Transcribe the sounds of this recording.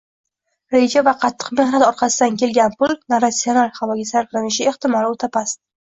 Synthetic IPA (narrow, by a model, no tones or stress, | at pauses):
ɾe̞d͡ʒavaqʰɑt̪ʰːɨ̥qme̞hnat̪ɒɾqʰɑsɪd̪ankʲʰe̞lɡʲanpʊlnaɾasːio̞nalˠhavɒɡʲasaɾqlanɪʃɪeht̪ɪmɒlot̪ʰapʰast̪